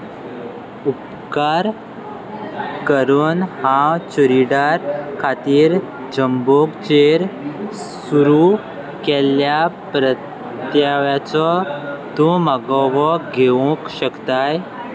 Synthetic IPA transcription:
up | kaɾ | kəɾuːnhãwt͡ɕuɾiɖaɾkʰat̪iːɾ | d͡ʑəmboɡt͡ɕeɾ | suɾu | kɛljapɾə | t̪jaʋjat͡sɔt̪ũmaɡɔʋɔɡʱeʋũkɕəkt̪aj

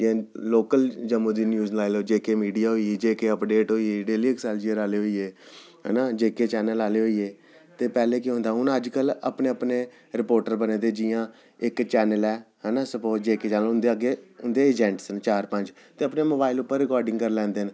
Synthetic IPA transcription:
jãːloːkəld͡ʒəmũːd̪iːnjuːznlaːloːd͡ʒeːkeːmiːɖijaːɦoːiiːd͡ʒeːkeːəpɖeːʈɦoːieːɖeːliːɪksaːld͡ʒɪãːɾaːleːɦoːieː | ɦɛ̰ːnaːd͡ʒeːkeːt͡ʃɛːnəlaːleːɦoːieː | t̪eːpɛːleːkeɦõːnd̪aːɦʊnəd͡ʒkələ̰pneːəpneː | ɾɪpoːɾʈəɾbəneːd̪eːd͡ʒɪjãː | ɪkt͡ʃɛːnəlɛːɦɛːnaːsəpoːɾʈd͡ʒeːkeːt͡ʃɛːnəlʊnd̪eːəɡeːʊnd̪eːəd͡ʒɛ̃ːɳʈsənt͡ʃaːɾpə̃ɲd͡ʒ | t̪eːəpneːmoːbaːɪlʊpːəɾːɪkɔːɾɖɪŋɡkəɾlɛ̃ːnd̪eːn

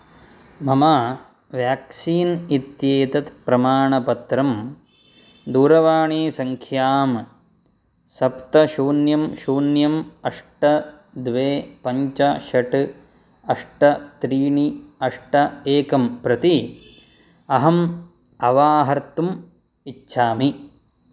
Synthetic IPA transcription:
mɐmaː | ʋjaːksiːnit̪jeːt̪ɐt̪pɾɐmaːɳɐpɐt̪ɾɐm | d̪uːɾɐʋaːɳiːsɐŋkʰjaːm | sɐpt̪ɐʃuːnjɐmʃuːnjɐmɐʂʈɐ | d̪ʋeːpɐɲt͡ʃɐʃɐʈɨ | ɐʂʈɐt̪ɾiːɳiɐʂʈɐeːkɐmpɾɐt̪i | ɐɦɐm | ɐʋaːɦɐɾt̪um | itːʃʰaːmi

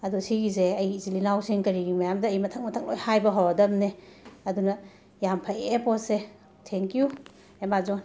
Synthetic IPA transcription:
ɐdusiɡizeɐjzilinawsiŋkɐɾiɡimɐjamdɐːjmɐtʰɐk̚mɐtʰɐk̚lojhajbɐɦawadɐmneɐdunɐ | jampʰajepɔse | tʰeŋkiju | emazon

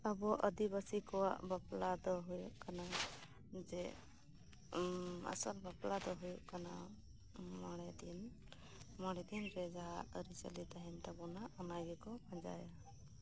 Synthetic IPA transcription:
əbɔʔəd̪ibəsikɔwa̰ʔbaplad̪ɔɦujuʔkana | d͡ʒɛ | a̰səlbaplad̪ɔɦujuʔkana | maɽɛd̪in | mɔɽ̃ɛd̪inɾɛd͡ʒaɦaʔɾisəlit̪aɦɛnt̪abɔnaɔnaɡɛkɔbad͡ʒa̰ja

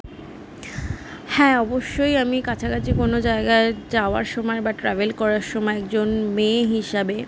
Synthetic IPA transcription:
hɛ̃ɔboʃːojamikat͡ɕʰakat͡ɕʰikonod͡ʑaeɡaed͡ʑaoa̰ɾʃɔmɔebaʈɾavelkɔɾaɾʃɔmɔeɛkd͡ʑonmeɦiʃabe

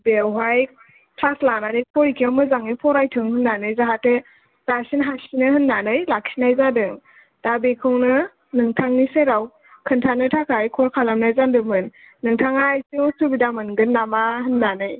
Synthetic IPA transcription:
bewɦaj | pʰaslananijpʰɔjikʰiawmɯzaŋijpʰɔɾajtʰɯŋhɯnːanɯjzaɦate | tasinɦasinɯhɯnːanɯjlak̚sʰinajzadɯŋ | d̥abekʰɯwnɯ | nɯŋtʰaŋniseɾaw | kʰɯntʰanɯtʰakʰajkʰɔɾkʰalamnajzandɯmɯnː | ɯŋtʰaŋajsɯwsubidamɯnɡɯnːamahɯnːanɯj

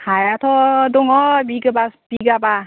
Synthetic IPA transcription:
hajat̪ʰɔduŋɔbiɡɯbab̥iɡaba

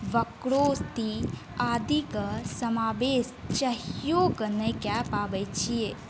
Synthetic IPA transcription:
ʋɐkɽoːst̪i | aːd̪ikɐsɐmaːʋeːst͡ʃɐɦjoːkɐnɐjkjapaːʋəjt͡ʃʰije

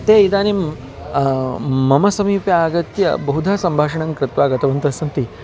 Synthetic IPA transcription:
t̪eːid̪aːnim | mɐmɐsɐmiːpjaːɡɐt̪jɐ̰bɐɦud̪ʱaːsɐmbʱaːʂɐɳɐŋkɾɪt̪ʋaːɡɐt̪ɐʋɐnt̪ɐsɐnt̪i

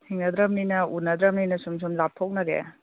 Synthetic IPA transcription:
hiŋnɐd̪ɾɐmninɐunɐd̪ɾɐm̚ninɐsums̬umlapʰːok̚nɐɾḛ

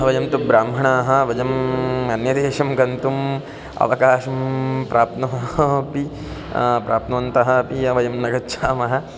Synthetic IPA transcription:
ɐʋɐjɐmt̪ubɾaːmbʱɐɳaːɦɐ̆ʋɐd͡ʒɐmɐnjɐd̪eːʃɐmkɐnt̪um | ɐ̰ʋɐkaːʃɐmpɾʔaːp̚t̪nɐɦɐpi | pɾaːp̚t̪nɐʋɐnt̪ɐɦɐ̆ɐpijɐʋɐjɐmnɐɡɐtːʃʰaːmɐɦɐ̆

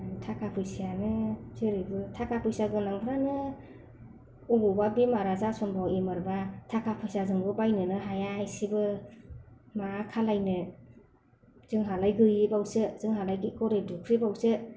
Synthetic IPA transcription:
tʰakʰapʰɯsijanɯzɯɾɯbɯtʰakʰapʰɯjsjaɡɯnaŋɡʰɾanɯ | uɡɔbabimaɾazasɔnbawimɯɾbatʰakʰapʰɯsijazɯŋbɯbajnɯnɯɦajaajsibɯ | makʰalajnɯ | z̥ɯŋɦalajɡɯjibawsɯzɯŋɦalajɡɯkɔɾejdukʰɾibawsɯ

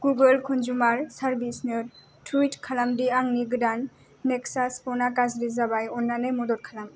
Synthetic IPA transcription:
ɡ̥uɡɔlkʰɔnzumaɾsaɾbisneɾ | tʰujtkʰalamdiaŋniɡdanː | ɛksaspɔnakazɾizabajɔnːanejmɔdɔt̚kʰalam

